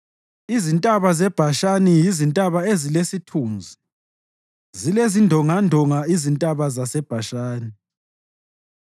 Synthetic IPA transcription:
izintʼaβazɛb̥ʱaʃanijizintʼaβaezilesitʰuːnd͡zʱi | zilezindʱɔŋandʱɔŋaizintʼaβazasɛb̥ʱaʃaːni

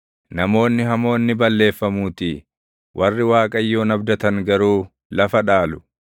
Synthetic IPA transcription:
nɐmo̞ːnːɪɦɐmo̞ːnːɪbɐlːe̞ːfːɐmuːt̪ɪ | wʔɐrːɪwaːkʼɐjːo̞ːnɐbd̪ɐt̪ɐŋɡɐɾuː | lɐfɐᶑaːlʊ̥

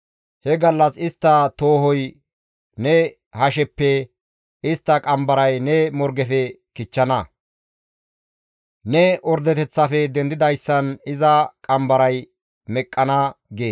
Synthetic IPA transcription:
hɛɡɐlːɐsɪst̪ːɐt̪oːhɔj | nɛ | hɐʃ̬ɛpːɛ | ɪst̪ːɐkʼɐmbɐɾɐjnɛmɔɾɡɛfɛkɪt͡ʃːɐnɐ | nɛɔɾd̪ɛt̪ɛt͡sːɐfɛd̪ɛnd̪ɪd̪ɐjsːɐnɪzɐkʼɐmbɐɾɐj | mɛkʼːɐnɐɡeː

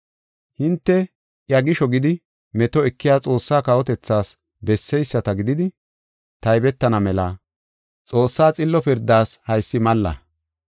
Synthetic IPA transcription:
hɪnt̪ːɛ | ʔjɐɡɪʃɔɡɪd̪ɪ | mɛt̪ɔɛkːɪjaːt͡sʼo̞ːsːaːkɐɔt̪ɛt͡sːaːs | bɛsːɛjsːɐt̪ɐɡɪd̪ɪd̪ɪ | t̪ɐjbɛt̪ːɐnɐmɛlaː | t͡sʼo̞ːsːaːt͡sʼɪlːɔpɪɾd̪ːaːshɐjsːɪmɐlːɐ̰

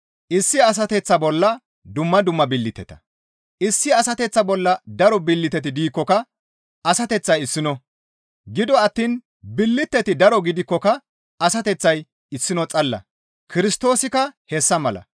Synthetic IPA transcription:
ʔɪsːɪɐs̬ɐt̪ɛt͡sːɐbɔlːɐ | d̪ʊmːɐd̪ʊmːɐbɪlːɪt̪ːɛ̰t̪ɐ̥ | ʔɪsːɪɐsɐt̪ɛt͡sːɐbɔlːɐd̪ɐɾɔbɪlːɪt̪ːɛt̪̬ɪd̪iːkːɔkɐ | ɐsɐt̪ɛt͡sːɐjɪsːɪnɔ | ɡɪd̪ɔɐt̪ːiːn | bɪlːɪt̪ːɛt̪ɪd̪ɐɾɔɡɪd̪ɪkːɔkɐ | ɐsɐt̪ɛt͡sːɐj | ɪsːɪnɔt͡sʼɐlːɐ̰ | kɪɾɪst̪o̞ːsɪkɐhɛsːɐmɐlɐ̰

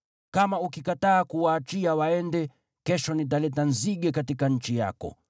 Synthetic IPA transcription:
kamaukikataːkuwaːt͡ʃiawaɛndɛ | kɛʃɔnit̬alɛtanziɡɛkatikaɲ̩t͡ʃija̰kɔ̰

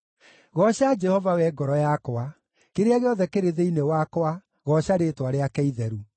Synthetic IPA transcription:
ɣɔɕad͡ʒɛhɔvawɛɡɔɾɔjakɔa | keɾeaɣeɔðɛkeɾeðeinewakwa | ɣɔɕaɾetwaɾeakɛiðɛɾu

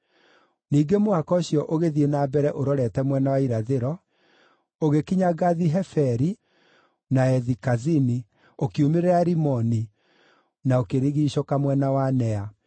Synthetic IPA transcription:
niːɡemoakɔɕjɔʔoɣeðienabɛɾɛʔoɾɔɾɛtɛmwɛnawaiɾaðeɾɔ | oɣekiɲaɡaðiɦɛfɛɾi | naɛðikazini | okiumeɾeɾaɾimɔni | naokeɾiɣiːɕokamwɛnawanɛa

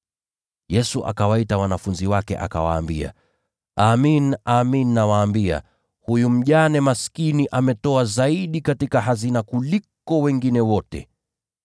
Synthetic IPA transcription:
jɛsuʔa̰kawaitawanafunziwakɛ̰ʔa̰kawa̰ːmbia̰ | aminaminːawaːmbia̰ | hujum̩ʄanɛmaskiniʔamɛtɔazaiɗikatikaɦazinakulikɔwɛŋɡinɛwɔtɛ̰

